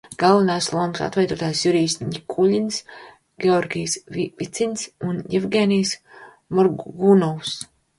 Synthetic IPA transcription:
ɡ̥alˠvanajslˠuɔmsa̰t̪vɛjd̪uɔt̪aːjsjuɾiːsʲt̪ʲɲʲikʰulʲinʲs | ɡ̥ʲeɔɾɡʲijsivit̪sʲinʲsunjɛvɡeːnijs | mɔɾɡunɔws

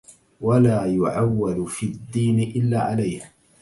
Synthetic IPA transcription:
walaːjʊʕawːalfiːad̪ːiːnɪʔɪlːaːʕalajh

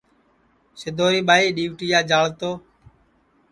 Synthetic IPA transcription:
sɪd̪ʱoːɾiːɓaːiːɗiːʋʈiːjaːd͡ʒaːɭt̪oː

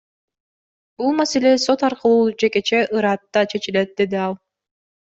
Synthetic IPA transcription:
bulˠmase̞le̞so̞t̪ɑɾqɯlˠuːd͡ʒe̞ke̞t͡ʃe̞ʔɯɾɑt̪ːɑt͡ʃʰe̞t͡ʃile̞t̪̚d̪e̞d̪iɑlˠ

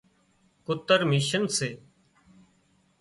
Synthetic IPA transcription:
kʊt̪əɾmiːʃənseː

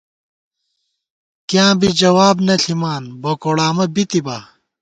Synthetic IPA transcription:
kjãːbid͡ʑɐwaːbnɐɬimaːnbokoɽaːmɐbit̪iba

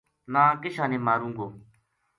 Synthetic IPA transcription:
nãːkɪʃãːnẽːmaːɾũːŋɡoː

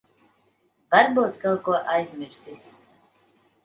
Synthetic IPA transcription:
vaɾbuːt̪kalˠkuɔʔajzʲmʲiɾsisʲ

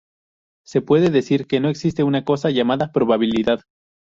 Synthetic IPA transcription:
se̞pwe̞ðe̞ðe̞siɾke̞no̞e̞ksist̪e̞unako̞saʝamaðapɾo̞βaβiliðað

